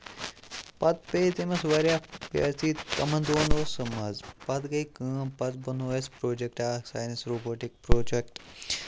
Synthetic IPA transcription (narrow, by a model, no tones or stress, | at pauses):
pɐt̪̚pet̪emɐsʋaɾjapja̰ːt͡sit̪kɐmɐnd̪oːnoːsɐmad͡zpɐt̪ɡɐikəpɐt̪̚bɐnoːespɾoːd͡ʒek̚ʈasaːjnisɾoboːʈik̚pɾoːd͡ʒekʈ